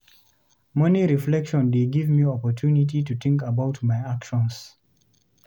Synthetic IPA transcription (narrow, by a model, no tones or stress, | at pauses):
mɛniɹiflɛkʃɔ̃ndeɡivmiɔpɔtʰunitituθɪ̃ŋkəbaʊtmaɪakʃɔ̃ns